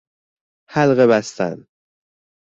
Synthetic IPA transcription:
hælɣeβæst̪æ̰n

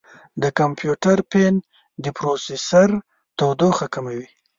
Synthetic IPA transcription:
d̪əkampjuʈaɾpen | d̪əpɾosesaɾ | t̪awd̪oxakamawi

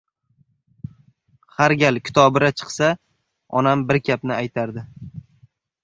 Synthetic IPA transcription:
haɾɡʲalkʲʰɪ̥t̪ʰɒbɪɾat͡ʃʰɨ̥qsa | ɒ̰nambɪɾkʲʰapnɪajt̪ʰaɾd̪ɪ

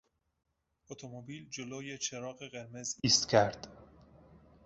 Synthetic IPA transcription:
ʔot̪ʰomobiːld͡ʒoloːjet͡ʃʰeɾɒːɣe̞ɣe̞ɾme̞ziːst̪cʰæɾd̪̥

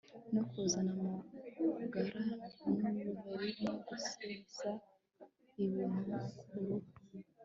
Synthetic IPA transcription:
nokozanama | ɡaɾanuuβaɾinoɡusinza | iβiːnukulu

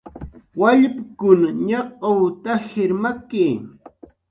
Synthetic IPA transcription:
waʎpkʊnɲɑqowt̪aʃɪɾmakiː

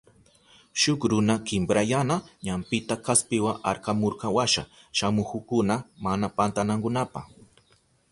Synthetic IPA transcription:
ʃʊkɾʊnakɪmbɾajanaɲampɪt̪akaspɪwaŋaɾkamoɾqɑwaʃa̰ | ʃamʊkʊkʊnamanapant̪anaŋkʊnapaχ

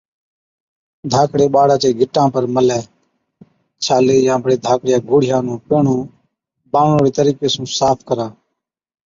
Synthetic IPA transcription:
d̪ʱaːkɽeːɓaːɽaːt͡ʃeːɡʱɪʈãːpəɾməlɛ̃ː | t͡ʃʰaːleːjãːbəɽeːd̪ʱaːkɽɪjãːɡʱoːɽɪjãːnũːpeːɳ̤ũː | bãːɳõːɾeːt̪əɾiːkeːsũːsaːpʰkəɾãː

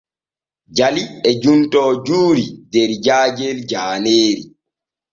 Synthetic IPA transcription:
d͡ʒaliɛd͡ʒuntɔːd͡ʒuːɾidɛɾd͡ʒaːd͡ʒɛld͡ʒaːneːɾi

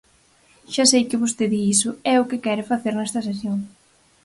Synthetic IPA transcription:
ʃasejkɪβost̪eðiisʊɛʊkɪkɛɾɪfaθeɾnɛst̪ɐs̬esjoŋ

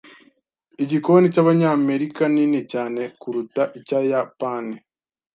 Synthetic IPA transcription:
iɟiko̞nicaβaɲaːme̞ɾikaninicaːne̞kuɾutaʔicajapani

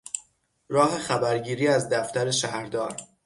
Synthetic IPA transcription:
ɾɒːɦe̞xæbæɾɟiːɾiːæzd̪æft̪æɾeʃæhɾd̪ɒːɾ

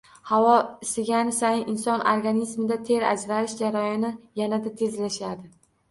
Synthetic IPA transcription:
havɒsɪɡʲanɪsajɪnɪnsɒno̰ɾɡanizmɪd̪at̪ʰe̞ɾa̰d͡ʒɾaɾɪʃd͡ʒaɾajɒnɪjanad̪at̪ʰe̞zlaʃad̪ɪ

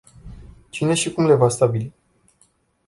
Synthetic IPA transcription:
t͡ʃine̞ʃikumle̞vast̪abili

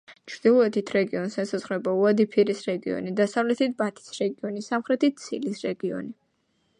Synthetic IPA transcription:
t͡ʃʰɾd̪̥ilˠɔɛt̪ʰit̪ʰɾɛɡiɔnsɛsazʁɾɛbauad̪ipʰiɾisɾɛɡiɔ̰nid̪asavlɛt̪ʰit̪̚bat̪ʰi̥sɾɛɡiɔnisamχɾɛt̪ʰit̪̚t̪sʰilisɾɛɡiɔ̰ni

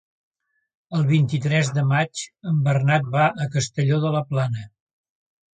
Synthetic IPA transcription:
əlˠβ̞int̪it̪ɾɛzðəmat͡ʃəmbərnat̪̚baʔəkəst̪əʎoðələplanə

